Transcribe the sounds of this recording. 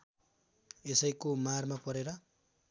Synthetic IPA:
esʌjkomarmapʌɾeɾʌ

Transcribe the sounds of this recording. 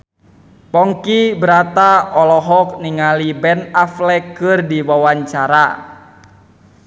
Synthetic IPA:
pɔŋkibəɾat̪aɔlɔɦɔk̚niŋalibɛnaflɛkːɨrdiwawaɲt͡ʃaɾa

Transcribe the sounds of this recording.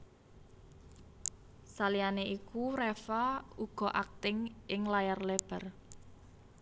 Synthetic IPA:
salianeʔikuɾɛfauɡ̥ɔ̤ʔak̚t̪ɪŋɪŋlajarleb̥ə̤r

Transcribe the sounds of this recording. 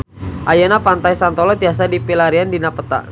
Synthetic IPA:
ʔajanapant̪ajsant̪ɔlɔt̪ias̬adipilaɾiandinapət̪a̰ʔ

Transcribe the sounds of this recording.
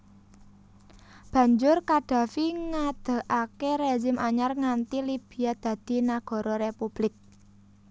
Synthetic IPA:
b̥ä̤ɲd͡ʒʊrkaɖ̥ä̤fiŋad̪̥ə̤ʔakeɾed͡ʒɪmʔaɲarŋant̪ilib̥i̤jad̪̥ä̤d̪̥i̤naɡ̥ɔ̤ɾɔɾepub̥lɪk̚

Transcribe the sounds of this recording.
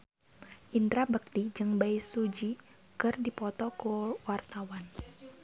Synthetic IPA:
ʔind̪ɾabək̚t̪id͡ʒɨŋbajsud͡ʒi | kɨrdipɔt̪ɔkuwart̪awan

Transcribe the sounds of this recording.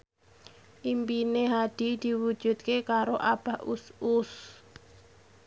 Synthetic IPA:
ʔimpineɦad̥i̤d̪̥i̤wud̥ʒ̥ṳt̪̚kekaɾoʔab̥a̤usus

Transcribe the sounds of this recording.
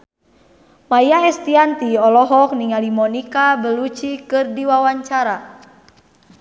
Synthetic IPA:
majaɛst̪iant̪iɔlɔɦɔk̚niŋalimɔnikabəlut͡ʃikɨrdiwawaɲt͡ʃaɾa

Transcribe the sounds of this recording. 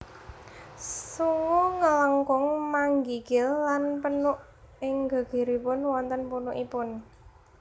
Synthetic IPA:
suwuŋələŋkʊŋmaŋɡiɡ̥ɪlːanpənʊʔ | ɪŋɡa̤ɡ̥i̤ɾipʊnwɔnt̪ənpunʊʔipʊn

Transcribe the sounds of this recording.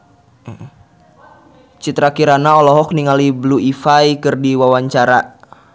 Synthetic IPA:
t͡ʃit̪ɾakiɾanaɔlɔɦɔk̚niŋalibluifajkɨrdiwawaɲt͡ʃaɾa

